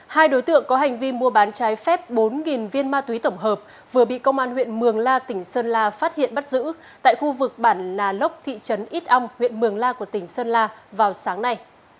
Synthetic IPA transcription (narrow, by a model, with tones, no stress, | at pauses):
haː˧jɗo˨˦jt̪ɨ̰˧˨əŋkɔ˨˦ɦa˨˩ŋ̟vi˧mu˧əɓaː˨˦nt͡ɕaː˨˦jfɛ˦˥p̚ɓo˨˦nŋi˨˩nvi˧ənmaː˧t̪wi˨˦t̪ə˧˩wŋ͡mɦəː˨˩p̚ | vɨ˨˩əɓḭ˧˨kə˧wŋ͡mʔaː˧nhwḭ˧˨ənmɨ˨˩əŋlaː˧t̪ï˧˩ŋ̟səː˧nlaː˧faː˦˥t̚hḭ˧˨ənɓa˦˥t̚zɨ̰˧˥ | t̪a̰ː˧˨jxu˧vɨ˨˩k̚ɓaː˧˩nlaː˨˩lə˦˥wk͡p̚t̪ʰḭ˧˨t͡ɕə˨˦nʔi˦˥t̚ʔa˧wŋ͡mhwḭ˧˨ənmɨ˨˩əŋlaː˧ku˧˩ət̪ï˩ŋ̟səː˧nlaː˧vaː˨˩wsaː˨˦ŋna˧j